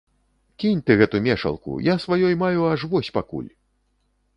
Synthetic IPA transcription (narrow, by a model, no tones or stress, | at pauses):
kʲinʲt̪ɨɣɛt̪umʲɛʂɐ̰lˠkṵjasvajɔjmajuɐʂvɔsʲpakṵlʲ